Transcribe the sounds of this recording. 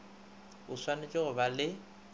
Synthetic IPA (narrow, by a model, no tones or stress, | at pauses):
ʊswanet͡ʃʼɪɣʊbalɪ